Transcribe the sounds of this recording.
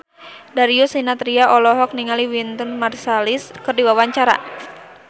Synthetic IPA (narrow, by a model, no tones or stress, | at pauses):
daɾiusinat̪ɾiaʔɔlɔɦɔk̚niŋaliwint̪unmarsaliskɨrdiwawaɲt͡ʃaɾa̰